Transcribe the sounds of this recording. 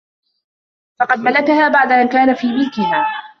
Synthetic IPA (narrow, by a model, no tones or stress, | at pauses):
fɑqɑd̪malakahaːbaʕd̪aʔankaːnafiːmɪlkɪhaː